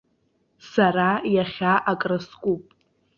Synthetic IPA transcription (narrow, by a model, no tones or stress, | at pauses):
saɾajaχʲaʔakʼrɨskʷʼupʼ